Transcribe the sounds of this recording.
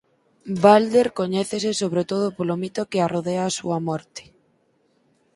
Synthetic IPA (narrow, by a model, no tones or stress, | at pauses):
bald̪eɾkoɲɛθesɪsoβɾet̪oð̞opolomit̪okearoðeaːsuɐmɔɾt̪e̥